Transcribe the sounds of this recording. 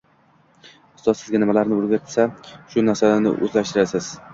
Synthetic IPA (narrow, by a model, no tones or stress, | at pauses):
ʊ̥st̪ɒd̪sɪzɡʲanɪmalaɾnɪolɡʲaɪsaʃʊnaɾsanɪ̰ʔɵ̰zlaʃt̪ɪɾasɪz̥